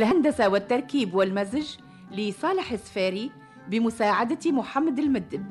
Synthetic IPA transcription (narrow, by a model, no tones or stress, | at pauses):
lɦand̪asawɪt̪ːɑɾˤkiːbwɪlmazʒ | lisˤɑːlɪħɪsfaːɾi | bɪmʊsaːʕad̪at̪imʊħamːad̪ɪlmɪd̪ːɪd